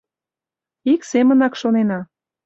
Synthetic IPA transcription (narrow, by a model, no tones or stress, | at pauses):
iksemənɑkʃonenɑ